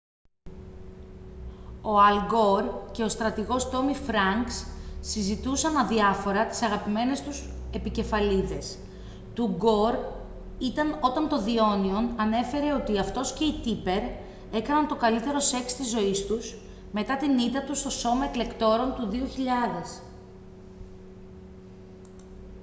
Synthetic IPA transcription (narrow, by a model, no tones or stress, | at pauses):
o̞ɐlɡo̞ɾce̞ost̪ɾɐt̪iɣo̞st̪o̞mifɾɐŋksːizit̪usɐnɐðiɐfo̞ɾɐt̪i̥sɐɣɐpime̞ne̞st̪use̞pice̞fɐliðe̞s | t̪uɡo̞ɾ | it̪ɐno̞t̪ɐnt̪o̞ðio̞nio̞nɐne̞fe̞ɾe̞o̞t̪iɐft̪o̞sce̞it̪ipe̞ɾ | e̞kɐnɐnt̪o̞kɐlit̪e̞ɾo̞se̞kst̪izːo̞ist̪us | me̞t̪ɐt̪init̪ɐt̪ust̪o̞so̞mɐekle̞kt̪o̞ɾo̞nt̪uðio̞çiʎɐðe̞s